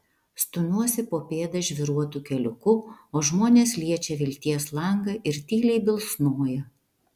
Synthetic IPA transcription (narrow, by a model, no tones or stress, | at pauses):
st̪ʊnuɔsʲɪpoːpʲeːd̪ɐʒʲʋʲɪɾuɔt̪uːkʲɛlʲʊkʊoːʒmoːnʲeːslʲiɛt͡ʃʲɛʋʲɪlʲt̪ʲiɛslˠɐŋɡɐʔɪɾt̪ʲiːlʲɛɪbʲɪlˠsnoːjɛ